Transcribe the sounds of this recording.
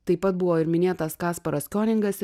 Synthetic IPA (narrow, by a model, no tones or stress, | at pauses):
t̪ɐɪpɐt̪̚bʊʋoːɪɾmʲɪnʲeːt̪ɐskɑːspɐɾɐsʲkʲoːnʲɪŋɡɐs